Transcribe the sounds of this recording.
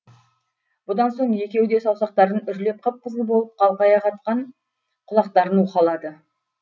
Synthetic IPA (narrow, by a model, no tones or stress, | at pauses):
b̥ʊd̪ɑnso̞ɴje̞kʲe̞wd̪e̞sɑwˠsɑq̚t̪ɑɾənʏʒle̞p̚qʰəp̚qʰəzˠəbo̞lˠəp̚qʰɑlˠqɑjɑqɑt̪qɑɴ | qʰʊlˠɑq̚t̪ɑɾənwuqɑlˠɑd̪ə